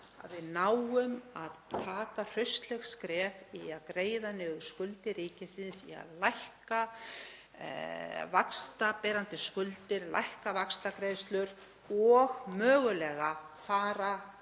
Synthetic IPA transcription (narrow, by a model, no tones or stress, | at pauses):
a̰ðvɪðnaːwʏmaðt̪ʰaːkar̥ʏɥst̪lɛxskɾɛːviaðkɾeːjðanɛːɣʏ̥skʏlt̪ɪɾiːcɪsɪnsḭa̰ðlajhka̰ | vakst̪apɛɾant̪ɪskʏlt̪ɪɾlʔa̰jhkavakst̪akɾejðst̪lʏɾ | ɔɣmœːɣʏlɛːɣafaːɾa